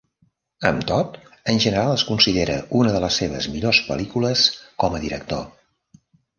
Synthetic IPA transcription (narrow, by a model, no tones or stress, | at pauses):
əmt̪ot̪ənʲʒənəɾalˠəskunsiðeɾə̰ʔunəðələsːeβə̰zmiʎospə̰likuləskɔməðiɾək̚t̪o̰